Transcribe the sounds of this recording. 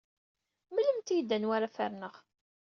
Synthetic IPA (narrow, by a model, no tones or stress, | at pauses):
məlːəmt̪ijəd̪ːænwaɾafaɾnəʁ